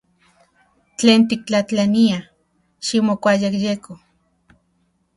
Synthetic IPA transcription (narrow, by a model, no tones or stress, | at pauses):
t͡ɬeːnt̪ik̚t͡ɬat͡ɬania | ʃimokʷajakjeko